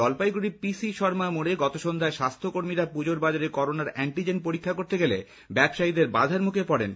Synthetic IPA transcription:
ɔlpajɡuɽipisiʃɔɾmamoɽeɡɔt̪oʃond̪ʱaeʃast̪ʰokoɾmiɾapud͡ʑoɾbad͡ʑaɾekɔɾonaɾɛɳʈid͡ʑenpoɾikʰːakoɾt̪eɡelḛ | bɛbʃajid̪eɾba̰d̪ʱaɾmukʰepɔɽḛn

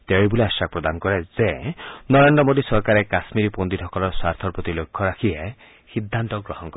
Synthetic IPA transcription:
t̪ejbuliasak̚pɾɔd̪anɔkɔɾezenɔɾeɳɖɾɔmod̪isɔɾkaɾekasmiɾipond̪iʈʰɔkɔlɔsaɾt̪ʰɔɾpɔt̪ilokʰːɔɾakʰie | hid̪ʱːant̪ɔɡɾɔɦɔnkɔɾe

